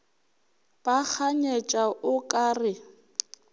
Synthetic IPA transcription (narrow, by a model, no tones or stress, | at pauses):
b̥ak͡xʰaɲet͡ʃʼaʔʊkʼaːrɪ